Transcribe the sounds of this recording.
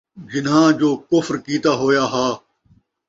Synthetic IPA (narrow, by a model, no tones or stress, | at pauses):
d͡ʒɪnɦãːd͡ʒoːkʊfɾkiːt̪aːɦoːjaːɦaː